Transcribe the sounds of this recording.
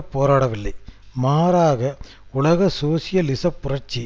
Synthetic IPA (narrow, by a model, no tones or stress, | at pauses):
pːoːɾaːɽɐʋɪlːɐɪmaːɾaːɣɐ | ʊlɐɣɐsoːsɪjɐlɪsɐpːʊrɐɾt͡ʃːi